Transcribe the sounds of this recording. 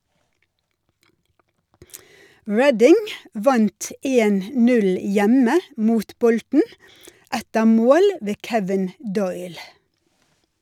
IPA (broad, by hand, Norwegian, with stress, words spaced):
ˈɹɛdɪŋ ˈʋɑnt ə ˈeːn ˈnʉl ˈjɛmə ˈmuːt ˈbɔltn̩ ˈætəɾ ˈmoːl ˈʋeː ˈkɛʋɪn ˈdɔʏl